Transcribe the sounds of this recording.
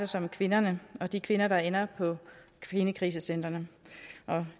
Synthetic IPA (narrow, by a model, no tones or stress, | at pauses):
dɐsɒ̽mkʰʋe̝nɐnəɒ̽d̥ikʰʋe̝nɐdɑ̈enɐpʰɒ̽ | enəkʰʁḭːs̬əsen̰d̥ʁɐnəʔɒ̽